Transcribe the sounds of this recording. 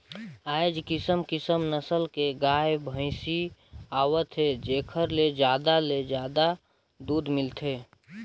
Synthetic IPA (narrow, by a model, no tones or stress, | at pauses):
ajd͡ʒkisəmkisəmnəsəlkeɡajbʱə̃ɪsiawət̪ʰɦed͡ʒekʰəɾled͡ʒad̪aled͡ʒjad̪a | d̪ud̪milt̪ʰe